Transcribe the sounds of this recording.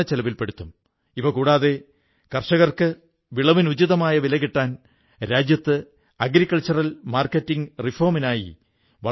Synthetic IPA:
ɐt͡ɕelɐʋilpe̞ɽut̪ːum | ipɐkuːɽaːðe̞ | kɐrʂɐɣɐrkɨ | ʋiɭɐʋinud͡ʑiðɐmaːjɐʋilɐɣiʈːaːn | ɾaːd͡ʑjɐt̪ːɨ | ɐɡɾikːɐlt͡ɕɐrɐlmaːrkɐtːiŋɡrifoːminaːjḭ | ʋɐ

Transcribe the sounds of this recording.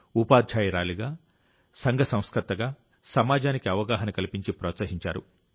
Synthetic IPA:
upaːd̪d͡ʒaːjiɾaːliɡaː | sɐŋɡʱɐsɐ̃w̃skɾɐt̪ːɐɡaː | sɐmaːd͡ʒaːnikiɐʋɐɡaːɦɐnɐkɐlipiɲt͡ʃipɾɔːt̪sɐɦiɲt͡ʃa̰ːɾu

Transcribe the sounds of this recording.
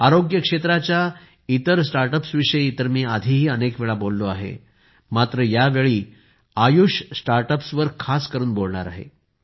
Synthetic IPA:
aɾoɡjəkʂet̪ɾat͡ɕja | it̪əɾsʈaɾʈəpsʋiʂəjit̪əɾmiːad̪ʱiːɦiːənekʋeɭabolːoaɦḛ | mat̪ɾəjaʋeɭiː | ajuʂsʈaɾʈəpsʋəɾkʰaskəɾuːnbolɳaɾa̰ɦḛ

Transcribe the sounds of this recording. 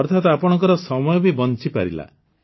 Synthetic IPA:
ɔɾt̪ʰat̪ɔapɔɽ̃ɔŋkɔɾɔsɔmɔjɔbibɔnt͡ʃipaɾḭla̰

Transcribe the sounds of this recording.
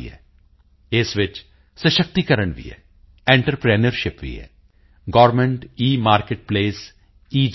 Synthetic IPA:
ɦɛ̰ | ɪsʋɪt͡ʃ | səʃək̚t̪ikɐɾəɳʋḭɦɛ̰ː | ẽːɳʈəɾpɾeːnəɾʃɪpʋḭːɛ̰ː | ɡɔːɾmẽɳʈiːmaːɾkeːʈ̚pleːs | iːd͡ʒ

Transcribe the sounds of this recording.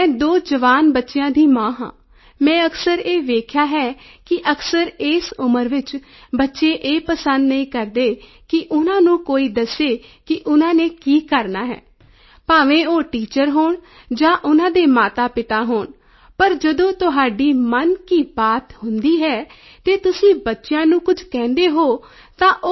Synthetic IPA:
ɛ̃ːd̪oːd͡ʒəʋaːnbətːʃɪjãːd̪iːmãːɦã̰ː | mɛ̃ːəksəɾeːʋeːkʰjaːɦɛːkɪʔəksəɾeːsʊməɾʋɪt͡ʃ | bətːʃeːʔeːpəsənd̪nəĩːkəɾd̪eː | kɪʔʊnãːnũːkoːiːd̪əseːkɪʔʊnãːneːkiːkəɾnaːɦɛ̰ː | paːʋẽːoːʈiːt͡ʃəɾɦoːɳ | d͡ʒãːʔʊnãːd̪eːmaːt̪aːpɪt̪aːɦoːɳ | pəɾd͡ʒəd̪õːt̪ʊɦaːɖiːmənkiːbaːt̪hʊnd̪iːɦɛː | t̪eːt̪ʊsĩːbətːʃjãːnũːkʊd͡ʒkɛ̃ːnd̪eːɦoː | t̪ãːʔo

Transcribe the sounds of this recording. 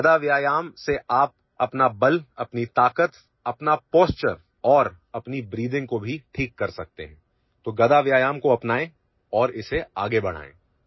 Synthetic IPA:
ɐd̪aʋjaːjaːmseʔaːp̚ | ɐpnabɐlɐpnit̪aːkət̪ | ɐpnapoːst͡ʃəɾ | ɔːɾ | ɐpnibɾiːd̪ɪ̃ŋɡkobʱiʈʰiːkːɐɾsɐk̚t̪ḛɦɛ̃ː | t̪oːɡɐd̪aʋjaːjaːmkoɐpnaːẽ | ɔːɾɪseaːɡebɐɽ̤̃a̰ːḛ̃ː

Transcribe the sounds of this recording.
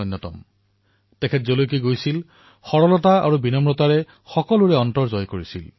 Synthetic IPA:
ɔjnːɔtɔ̰m | tɛkʰɛtzolojk̬iɡojsil | xɔɹɔlɔtaa̰ɹubinɔmɹɔtaɹɛ | xɔkɔluɹɛɔntɔɹzɔjkoɹisḭl

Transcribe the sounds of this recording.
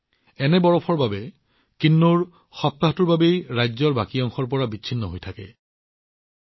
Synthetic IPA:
ɛnɛbɔɹɔpʰɔɹbabɛ | kinːuɹ | xɔp̚t̪aɦɔtuɹbabejɹajzɔɹbakiɔŋxɔɹp̬ɔɹabiɕʰinːɔɦojtʰakɛ̰

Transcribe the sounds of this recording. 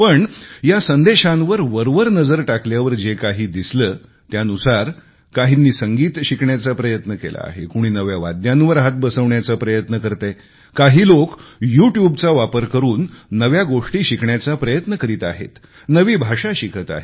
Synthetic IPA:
pəɳjasənd̪eɕãnʋəɾʋəɾʋəɾnəd͡zəɾʈakljaʋəɾd͡ʑekaɦiːd̪isləː | t̪janusaɾ | kaɦinːiːsəŋɡiːt̪ɕikɳjat͡sapɾəjət̪nəkḛla̰a̰ɦḛkuɽ̃iːnəʋjaʋa̰d̪janʋəɾɦat̪̚bəsəʋɳjat͡sapɾəjət̪nəkəɾt̪e | kaɦiːlokjuʈjubt͡saʋapəɾkəɾuːnːəʋjaɡoʂʈiːɕikɳjat͡sapɾəjət̪nəkəɾiːt̪a̰ɦḛt̪ | nəʋiːbʱaʂaɕikʰət̪a̰ɦe

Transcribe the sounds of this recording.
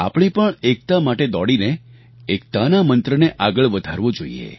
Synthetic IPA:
a̰pɽ̃ipəɳek̚t̪amaʈed̪ɔɽineː | k̚t̪anamənt̪ɾəneʔaɡəɭʋəd̪ʱaɾʋõd͡ʒoḭḛ

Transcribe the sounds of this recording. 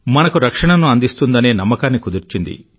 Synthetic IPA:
mɐnɐkuɾɐkʂɐɳɐnuɐnd̪ist̪und̪ɐneːnɐmːɐkaːnːikud̪uɾt͡ʃind̪ḭ

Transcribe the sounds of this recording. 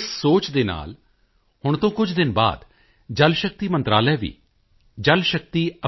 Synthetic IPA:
ssoːt͡ʃd̪eːna̰ːl | hʊɳ̃t̪õːkʊd͡ʒʰd̪ɪnba̰ːd̪ | d͡ʒəlʃək̚t̪iːmə̃nt̪ɾaːlɛːʋḭː | d͡ʒəlʃək̚t̪iːə

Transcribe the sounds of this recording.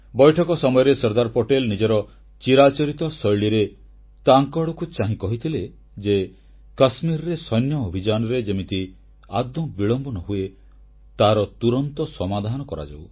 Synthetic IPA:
bɔjʈʰɔkɔsɔmɔjɔɾesɔɾd̪aɾpoʈelnid͡ʒɔɾɔ | t͡ʃiɾat͡ʃɔɾit̪ɔsɔjɭiɾe | t̪aŋkɔɽɔkut͡ʃaɦĩkɔɦit̪ʰile | d͡ʒe | kasmiɾɔɾesɔjnjɔobʱid͡ʒanɔɾed͡ʒemit̪i | ad̪ɔbiɭɔmbɔnɔɦue | t̪aɾɔt̪uɾɔnt̪ɔsɔmad̪ʱanɔkɔɾa̰d͡ʒa̰w

